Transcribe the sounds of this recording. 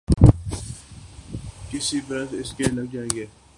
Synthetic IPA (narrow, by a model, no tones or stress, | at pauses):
kɪsibɾət̪ɪskelɐɡ̚d͡ʒaːẽːɡeː